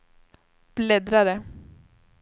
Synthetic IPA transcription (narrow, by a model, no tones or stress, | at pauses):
b̥lɛd̪ɾaɾə